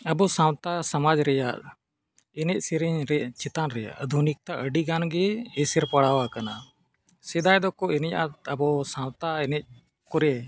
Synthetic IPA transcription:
əbɔsawt̪asamad͡ʒɾɛjaʔ | ɛnɛc̚ˀsɛɾɛɲɾɛt͡ʃɛt̪anɾɛja̰ʔd̪ʱunik̚t̪aʔəɖiɡanɡɛːsɛɾpaɽawakana | sɛd̪ajd̪ɔkɔɛnɛjat̪əbɔsãw̃t̪aɛnɛc̚ | kɔɾɛ

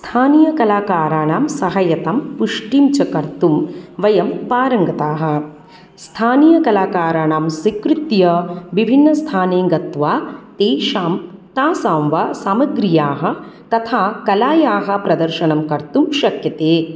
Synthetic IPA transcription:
st̪ʰaːnijɐkɐlaːkaːɾaːɳaːmsɐɦɐjɐt̪ɐmpuʂʈimt͡ʃɐkɐɾt̪umʋɐjɐmpaːɾɐŋɡɐt̪aːɦɐ̆ | st̪ʰaːnijɐkɐlaːkaːɾaːɳaːmsikɾut̪jɐʋibʱinːɐst̪ʰaːneːɡɐt̪ʋaːt̪eːʃaːmt̪aːsaːmʋɐsaːmɐɡɾijaːɦɐ̆t̪ɐt̪ʰaːkɐlaːjaːɦɐ̆pɾɐd̪ɐɾʃɐɳɐmkɐɾt̪umʃɐkjɐt̪eː

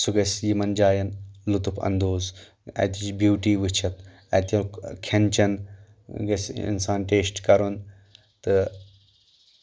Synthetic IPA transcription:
suɡɐsʲjimɐnd͡ʒaːjɐnlut̪upʰɐ̰nd̪oːz | ɐ̰t̪it͡ʃbjuːʈiːʋɨt͡ʃʰɐt̪ | ɐt̪ʲɐkʰɐnt͡ʃɐn | ɡɐsʲḭnsaːnʈeːsʈkɐɾun | t̪ɨ

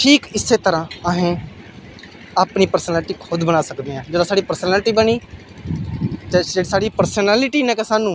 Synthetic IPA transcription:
ʈʰiːkɪsːeːt̪əɾãːəɦẽː | apniːpəɾsənɛːlɪʈiːkʰʊd̪bənaːsəkd̪eːãːd͡ʒeːd̪aːsaːɽiːpəɾsənɛːlʈiːbəniː | t̪eeːɽisaːɽiːpəɾsənɛːlɪʈiːnɛ̃ːkesaːnũː

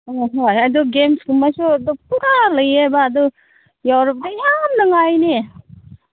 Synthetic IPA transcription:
ojɦojad̪ɔɡemsɡumasudɔpuɾalɐjajbaːd̪ɔ | jawɾap̚dajamnɐŋajne

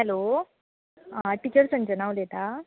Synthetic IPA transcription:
ɦɛlo | ʈit͡ɕəɾsəɲt͡ɕənawlet̪a

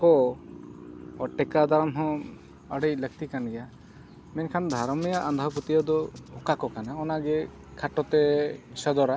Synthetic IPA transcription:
kɔ | ɔʈɛkad̪aɾɔmɦɔ̃ | əɽejlək̚t̪ikanɡɛja | mɛɲkʰand̪ʱaɾɔmijaʔand̪ʱɔpɔt̪ijɔd̪ɔɔkakɔkanaɔnaɡɛ | kʰaʈɔt̪ɛsɔd̪ɔɾa

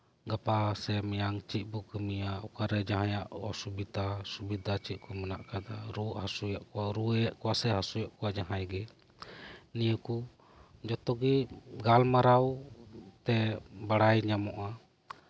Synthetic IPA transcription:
ɡapasɛmɛjaŋt͡ʃit̪̚ˀbukəmijaʔɔ̰kaɾɛd͡ʒaɦãjaʔɔsubid̪asubid̪ʱat͡ʃit̪̚kʰɔmənaʔkad̪aɾuʔhasujaʔkɔwaɾuɛjaʔkɔwasɛɦasujaʔkɔwad͡ʒaɦajɡɛ | nijəku | d͡ʒɔt̪ɔɡiɡalmaɾawt̪ɛbaɽajɲamɔʔa

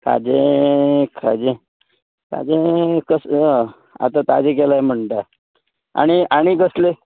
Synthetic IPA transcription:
ka̰d͡ʑẽ | kʰad͡ʑe | ka̰d͡ʑẽkəs | a̰t̪at̪ad͡ʑek̬elajem̤əɳʈ̪a | a̰ɽ̃iaɽ̃ikəsle

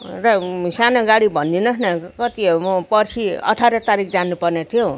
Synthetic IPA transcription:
rʌsanoɡaɽibʱʌnd̪inʌsnʌkʌt̪imʌpʌrsiʌ̰ʈʰaɾʌt̪aɾik̚ʰd͡zanupʌrnet̪ʰijõ

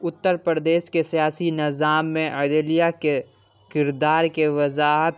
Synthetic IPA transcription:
ʊt̪ːəɾpɾəɾd̪eːʃkesijaːsinɪzaːmːẽɛd̪elijake | kɪɾd̪aːɾkeʋɐzaːɦt̪

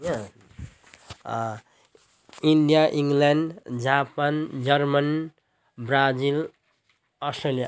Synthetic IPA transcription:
ja | iɳɖijaʔiŋlaɳɖd͡zapand͡zʌrmʌn | brad͡zil | ʌsʈrelija

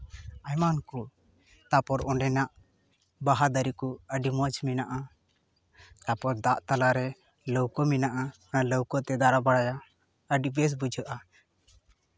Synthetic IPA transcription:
ajmanku | t̪apɔɾɔɳɖɛnaʔ | baɦad̪əɾikuəɖimɔd͡ʒminaʔa | t̪apɔɾd̪aʔt̪alaɾɛ | ləwkɔminaʔa | aləwkɔt̪ɛd̪aɾabaɽaja | əɖibɛs̬bud͡ʒʱəʔa

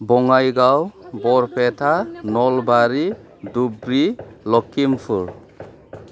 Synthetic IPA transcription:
bɔŋajɡawbɔɾpʰetʰanɔlbaɾi | dubɾilɔkːimpʰɯɾ

